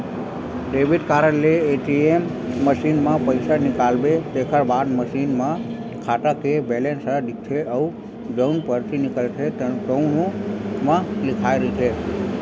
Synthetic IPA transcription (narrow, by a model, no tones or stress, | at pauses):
ɖeʋiɖkaɾəleːʈiemːəʃinmãpəjsanɪkalbet̪ekʰəɾbad̪məʃinmã | kʰaʈakebelensəɖ̪ik̚t͡ʃʰeʔəu | d͡ʒənpəɾt̪ʰinɪkəlt͡ʃʰed͡ʒəunomãlɪkʰajɾiit͡ʃʰe